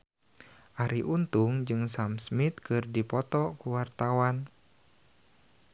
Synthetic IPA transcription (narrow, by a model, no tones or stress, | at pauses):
ʔaɾiʔunt̪uŋd͡ʒɨŋsamsmit̪kɨrdipɔt̪ɔkuwart̪awan